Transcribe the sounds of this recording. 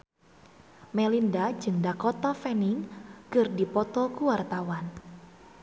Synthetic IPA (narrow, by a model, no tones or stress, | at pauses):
melindad͡ʒɨŋdakɔt̪ɔfɛnɪŋkɨrdipɔt̪ɔkuwart̪awan